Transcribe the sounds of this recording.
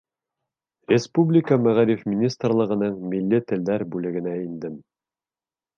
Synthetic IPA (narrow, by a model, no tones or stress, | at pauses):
rʲɪspublʲɪkəmæʁæɾʲifmʲɪnʲist̪rlˠɤ̆ʁɤ̆nɤɴmilːɘt̪ɘ̆ld̪æɾbʉlɘ̆ɡɘ̆næind̪ɘm